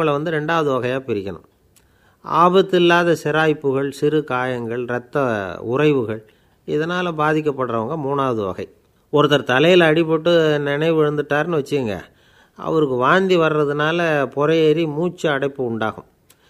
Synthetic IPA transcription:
ɐɭʋɐnd̪ɯɾɛɳɖaːʋɐðɯʋɐɣɐjaːpɪɾɪkʲːɐnɯ̰̃m | ʔa̰ːbɐt̪ːɪlːaːðɐsɪɾaːjpːɯɣɐɭsɪɾɯkaːjɐŋɡɐɭɾɐt̪ːɐʊrɐɪʋɯɣɐɭ | ɪðɐnaːlɐbaːðɪk̬ʲːɐpːɐɽɾɐʋɐŋɡɐmuːnaːʋɐðɯʋɐ̰ɣɐ̰ɪ | ɔɾɯt̪ːɐɾt̪ɐlɐjɪlɐːɽɪp̬ːɔʈːɯnɪnɐɪʋɛɻɯnd̪ɯʈːaːɾɯnɯʋɐt͡ʃːɯɯŋɡɐ̰ | ʔɐ̰ʋɐɾɯkːɯʋaːnd̪iʋɐɾɾɐðɯnaːlɐpɔɾɐjɛɾimuːt͡ʃːɐːɽɐɪpːɯʊɳɖaːɣɯ̰̃m

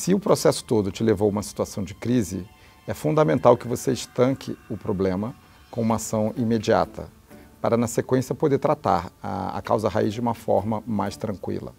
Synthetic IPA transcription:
sɪʊpɾosɛsʊ̥t̪od̪ʊt͡ʃɪlevowũmɐsi̥t̪uasɐ̃w̃d͡ʒɪkɾizɪ | ɛfũnd̪ɐmẽnt̪awkɪvoseɪʃt̪ɐ̃kʰɪ̰ʊpɾoblẽmɐ | kõũmɐasɐ̃w̃imed͡ʒia̰t̪ʰɐ̰ | paɾɐnɐsekwẽsiɐpod̪eɾt̪ɾat̪a̰ɾɐ̰ɐ̰kawzɐɦaizd͡ʒɪũmɐfɔ̰ɾmɐmajst̪ɾɐ̃kwḭlɐ̰

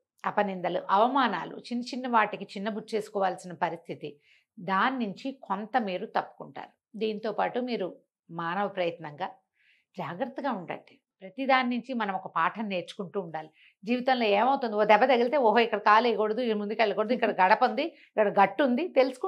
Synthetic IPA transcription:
ɐpɐnind̪ɐluʔɐʋɐmaːna̰ːlṵt͡ʃinːɐt͡ʃinːɐʋaːʈikit͡ʃinːɐbut̪ːt͡ʃe̞ːsu̥kɔːʋaːlsinɐpɐɾist̪ʰit̪i | d̪aːnːuɲt͡ʃikʰont̪ɐmiːɾut̪ɐpːu̥kuɳʈa̰ːɾu | d̪iːnt̪o̞ːpaːʈumiːɾu | maːnɐʋɐpɾɐjɐt̪nɐŋɡaː | d͡ʒaːɡɾɐt̪ːɐɡaːuɳɖɐ̰ɳɖi | pɾɐt̪id̪aːnːuɲt͡ʃimɐnɐmɔkɐpaːʈʰɐnne̞ːɾt͡ʃu̥kuɳʈuːɳɖaːli | d͡ʒiːʋit̪ɐnlo̞ːeːmɐwt̪und̪ioːd̪ɛbːɐt̪ɐɡilt̪e̞ːoɦoikːɐɽɐkaːlejkoɽɐd̪ukɐɽmund̪ukɐɭːlɐkoɽɐd̪uikːɐɽɐɡɐɽɐpɐnd̪i | ikːɐɽɐɡɐʈːund̪it̪e̞lusu̥ku

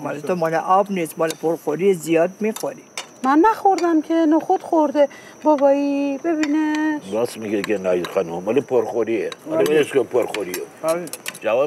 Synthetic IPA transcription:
mɒlet̪ʰomɒleʔɒbniːst̪mɒlepʰoɾxoɾiezijɒːd̪̚mixoɾi | mænːæxoɾd̪æmkʰenoxod̪̥xoɾd̪e | bɒbɒibebinebɔsmiɡekenajxɑnumɑlepʰoɾxoɾieleeskopʰoɾxoɾioabid͡ʒavɔ

